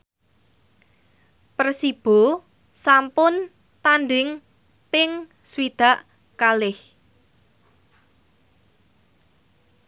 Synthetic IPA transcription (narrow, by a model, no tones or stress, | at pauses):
pərsib̥o̤ | sampʊn | t̪anɖɪŋ | pɪŋ | swid̪̥ä̤ʔ | kalɪh